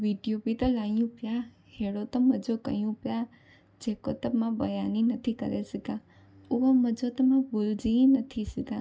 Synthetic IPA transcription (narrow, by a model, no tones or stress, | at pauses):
ʋiɖijobit̪olajũpja | heɽot̪əməd͡ʒokə̰jũpja | d͡ʒeko̰t̪əmãbəjaninət̪ʰikə̰ɾesəɡã | uʋaməd͡ʒot̪əmãbuld͡ʒĩnət̪ʰisəɡã